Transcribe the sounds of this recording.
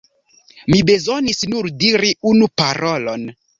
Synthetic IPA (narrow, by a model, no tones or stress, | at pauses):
mibe̞zonisnuɾdiɾiunupaɾʔolo̰n